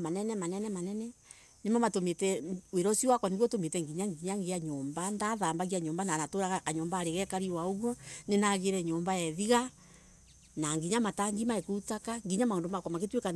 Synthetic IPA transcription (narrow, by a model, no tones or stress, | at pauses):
manɛnɛmanɛnɛmanɛnɛ | nemamatometɛweɾɔsiwakwɔniɣwɔtometɛŋɡiɲaŋɡiɲaŋɡeaɲɔːmbandaðambaɣiaɲɔːmbananatoɾaɣakaɲɔːmbaːɾeɣɛkaɾiwaoɣwɔnenaɣeɾɛɲɔːmbaɛðiɣa | naŋɡiɲamataŋɡimaekuutakaŋɡiɲamaoːndomakwɔmaɣetweka